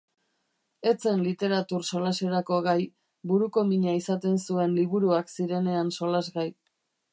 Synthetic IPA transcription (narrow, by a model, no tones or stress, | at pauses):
e̞t͡se̞nlit̪e̞ɾat̪uɾso̞lase̞ɾako̞ɣaj | buɾuko̞miɲaisat̪e̞nsue̞nliβuɾuaksiɾe̞ne̞anso̞lazɣaj